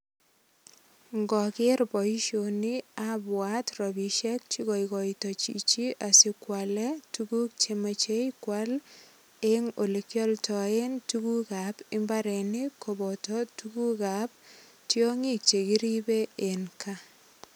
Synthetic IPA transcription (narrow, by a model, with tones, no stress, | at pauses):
ŋɡɔ˨kɪ˦ɾbɔ˨i˦ʃo˨ni˦abwa˦trɔ˨bi˨ʃɛ˦k̚t͡ʃi˦kɔ˨i˨kɔ˨itɔ˨t͡ʃḭ˨t͡ʃi˦ʔa˨sɪ˦kwa˨lɛ˦tuku˦k̚t͡ʃe˨ma˨t͡ʃe˦jkwa˦l | eŋo˨li˨kjɔ˦ltɔe˦ntuku˦ka˨pɪ˦mba˦ɾɛ˨ni˦ko˨bɔ˨tɔtu˦ku˦ka˨p̚ | tjo˦ŋi˦k̚t͡ʃe˨ki˦ɾi˦be˦e˨nkʰa˦